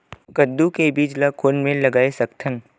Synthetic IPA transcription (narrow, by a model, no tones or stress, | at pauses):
kəd̪ːukebiːd͡ʒlakʰoːnmẽlɐɡaːesɐkt̪ʰən